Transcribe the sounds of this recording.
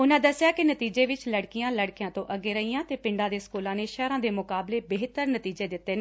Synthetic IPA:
ʊnãːd̪əsejaːkɪnət̪iːd͡ʒeːʋɪt͡ʃləɽkijãːləɽkjãːt̪õːʔəɡːeːɾəiːjãːt̪eːpɪ̃ɳɖãːd̪eːskuːlãːneːʃɛːɾãːd̪eːmʊkaːbleːbeɦt̪əɾnət̪iːd͡ʒeːd̪ɪt̪ːeːneː

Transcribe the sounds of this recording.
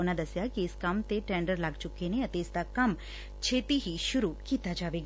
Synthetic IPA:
nad̪əsjakiɪskamt̪eʈẽɳɖəɾlaːɡt͡ʃʊkeneət̪esd̪akɐm | t͡ʃʰeːt̪iɦiʃʊɾukiːt̪ad͡ʒaːʋeɡ

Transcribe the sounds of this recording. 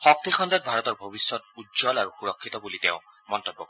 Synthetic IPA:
xɔk̚t̪ixɔndad̪̚bʱaɹɔt̪ɔɹbʱobisːɔt̚udzɔlaɹuxuɹɔkʰːit̪ɔbuliteʊ̃ | mɔnt̪ɔbːɔkɔ

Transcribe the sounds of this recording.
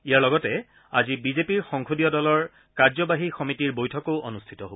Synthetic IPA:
ijaɹlɔɡɔtɛ | azibizepiɹxɔŋkʰodijɔdɔlɔɹ | kaɹzɔbaɦixɔmitiɹbojtʰɔkoʊʔo̰nustʰi̥tɔɦob

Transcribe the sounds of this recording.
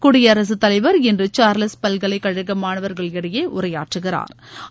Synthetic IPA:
kʊɽɪjɐːɾɐs̬ɯt̪ːɐlɐɪʋɐɾɪndrɯt͡ʃaːɾlɐspɐlɣɐɭɐɪkːɐɻɯɣɐmaːnɐʋɐɾɣɐɭɛɽɐjeːʔʊɾɐja̰ːʈrɯɣɪra̰ːɾ

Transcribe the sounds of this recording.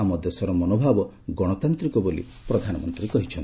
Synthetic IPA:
amɔd̪esɔɾɔmɔnobʱabɔ | ɡɔɽ̃ɔt̪ant̪ɾikɔbolḭ | pɾɔd̪ʱanɔmɔnt̪ɾikɔɦit͡ʃʰɔn

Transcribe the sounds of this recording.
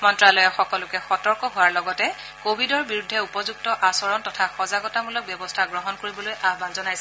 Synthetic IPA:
mɔntɹalɔjɔxɔkɔlʊkɛxɔtɔɹkɔɦʊwaɹlɔɡɔtɛ | kobʱidɔɹbiɹudʱːɛupɔzuk̚tɔʔasɔɹɔntɔtʰaxɔzaɡɔtamulɔk̚bjɔbɔstʰaɡɹɔɦɔnkoɹibɔlojʔaɦbanzɔnajsɛ

